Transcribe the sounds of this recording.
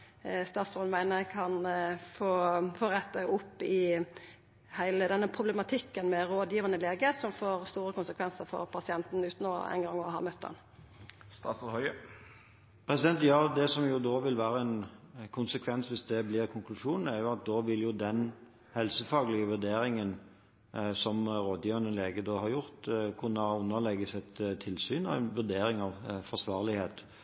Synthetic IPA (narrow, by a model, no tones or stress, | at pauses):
st̪ɑːt̪sɔnmæɪnəkʰɑnfoːfoːɾɛt̪ːəʔʊpːɪ | hæɪləd̪ɛnːəpʰʁʊblɛmɑt̪ʰɪkːənmɛɾoːd̪jiːʋənəleːɡəsɔmfoːɾst̪uːɾəkʰʊnsəkʰʋɛnsəɾfɔ̰ɾpʰɑsɪɛnt̪n̩ʉːt̪noːɛ̰ɪŋɡɑŋːɔɦɑ̰ːmœt̪ːd̪ɛ̰n | st̪ɑːt̪shœʏə | pʰɾɛsɪd̪ɛnt̪jɑːd̪ɛsɔmjʊd̪oːʋɪlʋæːɾəɛnkʰʊnsəkʰʋɛnsʋɪsd̪ɛblɪʁkʰʊŋklʉʂuːnn̩æɾjʊɑt̪̚d̪oːʋɪljʊd̪ɛn | hɛlsəfɑːɡlɪəʋʉɾd̪eːɾɪŋən | sɔmɾoːd̪jiːʋəʁnəleːɡəd̪oːhɑʁjʊʁt̪kʰʉnːəʉnːəʁlɛɡəsɛt̪t̪ʰːɪlsyːnɑʋɛnʋʉɾd̪eːɾɪŋɑʋfɔsʋɑːʁlɪheːt̪